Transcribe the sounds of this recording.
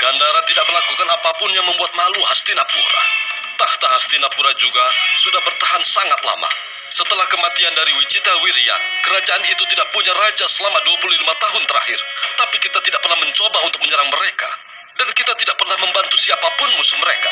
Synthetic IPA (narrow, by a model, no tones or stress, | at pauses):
ɡ̥andaɾat̪idaʔ̚məlakukanapapʊnjaŋməmbuat̪̚maluɦast̪inapṵɾa̰t̪aht̪aɦast̪inapuɾad͡ʒuɡasudahbərt̪aɦansaŋat̪la̰ma̰ | sət̪əlahkəmat̪iandaɾiwit͡ʃit̪awiɾia̰nkəɾad͡ʒaʔːnit̪ut̪idaʔ̚puɲaɾad͡ʒasəlamaduapuluhlimat̪aɦʊnt̪əɾa̰hɪrt̪apikit̪at̪idaʔ̚pərnahməɲt͡ʃobaunt̪ʊk̚məɲəɾaŋməɾeka̰ | dankit̪at̪idaʔ̚pərnahməmbant̪usiapapʊnmusʊ̥məɾeka̰